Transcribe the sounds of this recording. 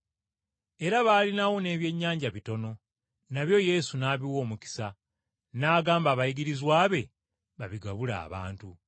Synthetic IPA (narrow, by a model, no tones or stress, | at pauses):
e̞ɾaβaːlinawo̞ne̞ːβje̞ɲːaːɲɟaβito̞no̞ | naβjo̞je̞ːsunaːβiwo̞ːmuki̥sa | naːɡaːmbaːβajiɡiɾizwaːβe̞ | βaβiɡaβula̰ːβa̰ːntu